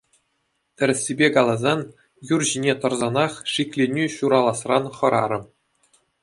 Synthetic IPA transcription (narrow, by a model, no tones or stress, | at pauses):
t̪ʲɘ̆ɾʲɘ̆sʲːibʲekɑlˠɑzɑn | jurʑinʲet̪ɤ̆rzɑnɑχʂikʲlʲenʲyɕuɾɑlˠɑsrɑnχɤ̆ɾɑ̰ɾɤ̆